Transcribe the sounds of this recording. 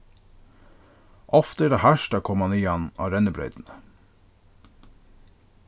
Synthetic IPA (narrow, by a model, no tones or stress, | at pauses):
ʔɔft̪əəɖehæʃʈɑkʰɔmɑnɪjɛnɑ̰ːɾɛnəbɾœ̰ʏd̪n̩ə